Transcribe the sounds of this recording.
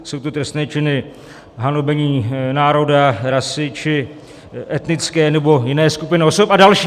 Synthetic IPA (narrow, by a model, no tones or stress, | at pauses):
so̞wt̪ot̪ɾɛst̪nɛːt͡ʃɪnɪ | ɦanobɛɲiːnaːɾo̞daɾasɪt͡ʃɪ | ʔɛt̪nɪt͡skɛːnɛbo̞jɪnɛːskupɪnɪoso̞padalʃiː